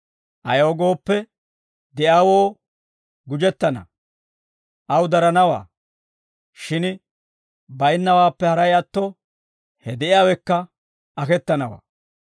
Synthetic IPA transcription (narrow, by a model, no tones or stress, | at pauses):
ʔɐjoːɡo̞ːpːɛ | d̪ɛjaːwo̞ː | ɡʊd͡ʒɛt̪ːɐnɐ̰ | ʔɐwd̪ɐɾɐnɐwa̰ː | ʃɪn | bɐjnːɐwaːpːɛhɐɾɐjɐt̪ːɔ | hɛd̪ɛʔɪjaːwɛkːɐ | ɐkɛt̪ːɐnɐwa̰ː